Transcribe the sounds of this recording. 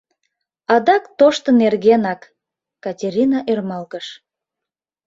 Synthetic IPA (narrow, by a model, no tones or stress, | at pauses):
ɑd̪ɑkt̪oʃt̪ənerɣenɑkː | ɑtʲeɾʲinɑʔermɑlɣəʃ